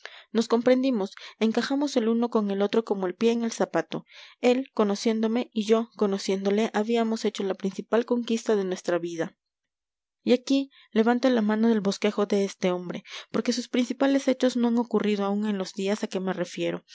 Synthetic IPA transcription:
no̞sko̞mpɾe̞nd̪imo̞se̞ŋkaxamo̞se̞luno̞ko̞ŋe̞lo̞t̪ɾo̞ko̞mo̞e̞lpje̞ːŋe̞lsapat̪o̞e̞lko̞no̞sje̞nd̪o̞me̞iʝo̞ko̞no̞sje̞nd̪o̞le̞ʔaβiamo̞se̞t͡ʃo̞lapɾinsipalko̞ŋkist̪aðe̞nwe̞st̪ɾaβiða | iaki | le̞βant̪o̞lamãno̞ðe̞lβo̞ske̞xo̞ðe̞est̪e̞o̞mbɾe̞po̞ɾke̞suspɾinsipale̞se̞t͡ʃo̞zno̞aŋo̞kuriðoauŋe̞nlo̞zðiasake̞mere̞fje̞ɾo̞

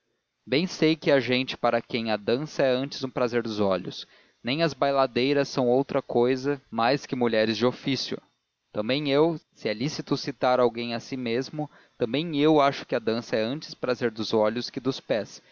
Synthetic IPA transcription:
bẽj̃sejkɪɐʒẽnt͡ʃɪ̥paɾɐkẽj̃ɐd̪ɐ̃sɐɛɐ̃nt͡ʃɪzũpɾazeɾd̪ʊzɔʎʊ̰s | nẽj̃ɐzbajlad̪ejɾɐsːɐ̃w̃owt̪ɾɐkojzɐmajskɪmuʎɛɾɪzd͡ʒɪofisjʊ̰ | t̪ɐ̃mbẽj̃ewsɪɛlisit̪ʊsit̪aɾawɡẽj̃ɐsimezmʊ | t̪ɐ̃mbẽj̃ewaʃʊ̥kɪɐd̪ɐ̃sɐɛɐ̃nt͡ʃɪ̥spɾazeɾd̪ʊzɔʎʊskɪd̪ʊspɛs

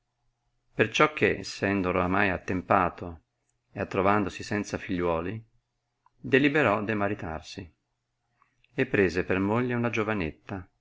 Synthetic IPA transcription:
pert͡ʃɔkʰːeɛsːɛnd̪oɾamajat̪ːempaːt̪ʰo | eat̪ːɾovand̪osisɛnt̪safiʎːwɔːli | d̪elibeɾɔd̪imaɾit̪a̰rsi | epːɾeːzepermoʎːeunad͡ʒovanet̪ːa

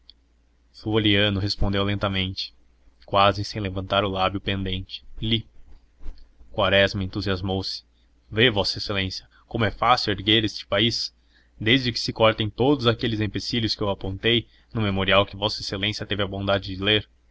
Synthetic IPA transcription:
fuoliɐ̃nʊɦespõnd̪ewlẽnt̪ɐmẽnt͡ʃɪ̥ | kwazɪsẽj̃levɐ̃nt̪aɾʊlabjʊpẽnd̪ẽnt͡ʃɪ̥li | kwaɾɛzmɐẽnt̪uziazmowsɪ̥ | vevɔsɐeselẽsjɐ | kõmʊɛfasɪweɾɡeɾest͡ʃɪ̥pais | d̪ezd͡ʒɪkɪ̥sɪkɔɾt̪ẽj̃t̪od̪ʊzakelɪzẽpesiljʊskɪewapõnt̪ej | nʊ̃memoɾiawkɪvɔsɐeselẽsjɐt̪evɪɐbõnd̪ad͡ʒɪd͡ʒɪleɾ

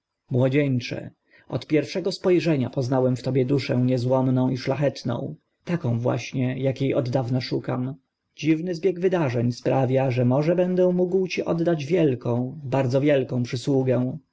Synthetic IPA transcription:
mwɔd͡ʑɛɲt͡ʂɛ̰ | ɔt̪pʲjɛɾfʂɛɡɔspɔjʐɛɲapɔznawɛmft̪ɔbʲjɛd̪uʂɛ̃w̃ɲɛzwɔmnɔ̃w̃iʂlaxɛt̪nɔ̰̃w̃ | t̪akɔ̃w̃vwa̰ɕɲɛjakjejɔd̪ːavnaʂuka̰m | d͡ʑivnɘzbʲjɛɡvɘd̪aʐɛɲspɾavʲjaʐɛmɔʐɛbɛnd̪ɛ̃muɡwt͡ɕiʔɔd̪ːad͡ʑvʲjɛlkɔ̃w̃baɾd̪zɔvʲjɛlkɔ̃w̃pʂɘswuɡɛw̃

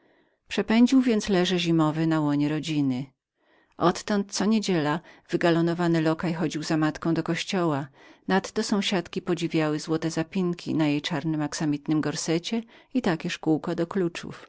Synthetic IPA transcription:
pʂɛpɛɲd͡ʑiwvʲjɛnt̪slɛʐɛʑimɔvɛnawɔɲɛɾɔd͡ʑinɘ | ʔɔt̪ːɔnt̪̚t̪sɔɲed͡ʑɛlav̥ɘɡalɔnɔvanɘlɔkajxɔd͡ʑiwzamat̪kɔ̃d̪ɔkɔɕt͡ɕɔwanat̪ːɔsɔ̃w̃ɕat̪kʲipɔd͡ʑivʲjawɘzwɔt̪ɛzapʲiŋkʲḭnajejt͡ʂaɾnɘmaksamʲit̪nɘmɡɔɾsɛt͡ɕɛit̪akʲɛʂkuwkɔd̪ɔklut͡ʂṵf

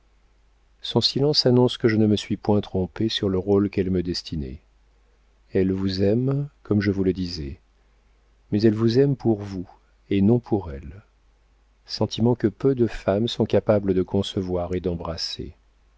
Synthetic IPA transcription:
sɔ̃silɑ̃sanɔ̃skəʒənəməsɥipwɛ̃t̪χɔ̃pesyʁləʁolkɛlməd̪ɛst̪ʰinḛ | ɛlvuzɛmkɔmʒəvuləd̪izɛ | mɛzɛlvuzɛmpuʁvu | enɔ̃pʰuʁɛl | sɑ̃t̪ʰimɑ̃kəpød̪əfamsɔ̃kapabləd̪əkʰɔ̃səvwaʁed̪ɑ̃bʁasḛ

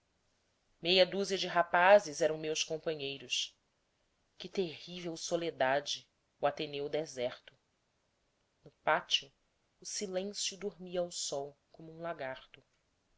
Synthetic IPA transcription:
mejɐd̪uziɐd͡ʒɪɦapazɪzɛɾɐ̃w̃mewskõmpɐ̃ɲejɾʊs | kɪt̪eɦivewsoled̪ad͡ʒɪ | uat̪enewd̪ɛzɛɾt̪ʊ | nʊpat͡ʃiʊː | silẽsjʊd̪oɾmiɐawsɔwkõmʊũlaɡaɾt̪ʊ

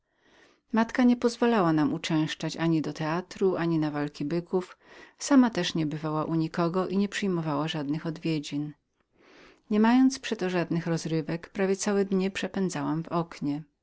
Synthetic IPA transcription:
mat̪kaɲɛpɔzvalawanamut͡ʂɛ̃w̃ʂt͡ʂat͡ɕaɲid̪ɔt̪ɛat̪ɾuʔaɲinavalkʲibɘkʰufsamat̪ɛʂɲɛbɘvawaʔuɲikɔɡɔʔiɲɛpʂɘjmɔvawaʐad̪nɘxɔd̪vʲjed͡ʑin | ɲɛmajɔnt̪spʂɛt̪ɔʐad̪nɘxɾɔzɾɘvɛkpɾavʲjɛt̪sawɛd̪ɲɛpʂɛpɛnd̪zawamvɔkɲɛ

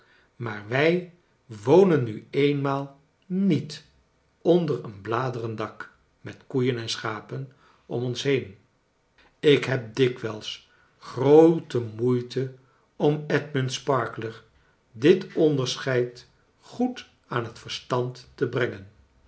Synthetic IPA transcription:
maːɹʋɛj | ʋownənːyejnmaːlˠ | nit | ɔndərənblaːdərəndɑk | mɛtkujənɛnsχaːpən | ɔ̰mɔnsɦejn | ɪkɦɛp̚dɪkʋɛlˠs | χrowtəmujtə | ɔmɛtmənspɑɹkləɹ | dɪtɔndəɹsχɛjt | χut | aːnɦətfəɹstɑntːəbrɛŋən

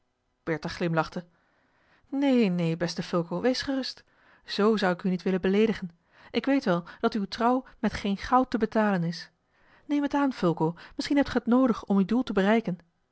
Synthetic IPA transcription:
b̥ɛɹtaχlɪmlɑχtə | nejnejbɛstəfʏlˠkowʋejsχərɵst | z̥owzʌwɪkynitʋɪlənbəlejdəχən | ʔɪkʋejtʋɛlˠd̥ɑtywtrɑwmɛtχejnχɑwtəbətaːlənɪs | nejmətaːnfɵlˠkowmɪsχinɦɛp̚tχəətnowdəχɔmydulˠtəbərɛjkən

